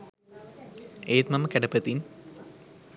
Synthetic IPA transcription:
eːt̪mɐməkæɖɐpət̪in

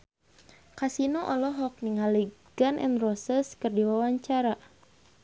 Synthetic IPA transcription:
kasinɔʔɔlɔɦɔk̚niŋaliɡ̥anʔɛ̰nrɔsɛskɨrdiwawaɲt͡ʃaɾa

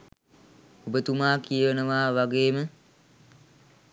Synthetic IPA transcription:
ubət̪umaːkijəʋənəʋaːʋaɡeːmə

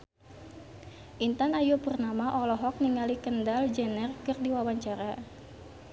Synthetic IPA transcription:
ʔint̪anajopurnamaʔɔlɔɦɔk̚niŋalikəndald͡ʒɛnərkɨrdiwawaɲt͡ʃaɾa

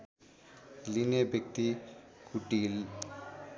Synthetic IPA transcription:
linebek̚t̪i | kuʈːil

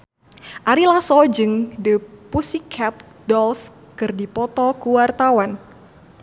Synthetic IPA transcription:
ʔaɾilasɔd͡ʒɨŋdəpusikʰːap̚ | dɔls | kɨrdipɔt̪ɔkuwart̪awan

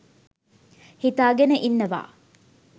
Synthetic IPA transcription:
hit̪aːɡenəʔinːɐʋa̰ː

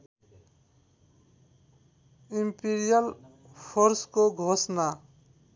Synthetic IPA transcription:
impiɾijal | pʰoɾskoɡʱosna

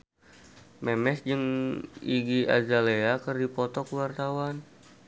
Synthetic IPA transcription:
mɛmɛsd͡ʒɨŋiɡia̰zaleakərdipɔt̪ɔkəwart̪awan

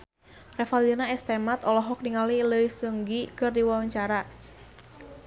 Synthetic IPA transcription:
rɛfald͡ʒənaɛst̪emat̪ɔlɔɦɔk̚niŋaliləisəŋɡikɨrdiwawaɲt͡ʃaɾa

